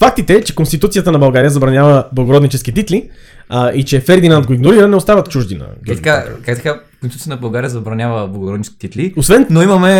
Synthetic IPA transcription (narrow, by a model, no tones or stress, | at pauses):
fak̚t̪it̪ɛt͡ʃɛ̥konst̪it̪ut̪sijət̪ənɐbɐlˠɡaɾijəzɐbɾɐnjavəblˠɐɡoɾɔd̪nit͡ʃɛskit̪it̪li | ʔit͡ʃɛfɛɾd̪inant̪ɡoiɡnoɾiɾənɛost̪avət̪t͡ʃuʒd̪inɐ̰it̪ɐkakakt̪ɐkakkonst̪uət̪nbɐlˠɡaɾijəzɐbɾɐnʲjavəblˠɐɡʊɾɔd̪nit͡ʃɛskit̪it̪liosvɛnnoimɐmɛ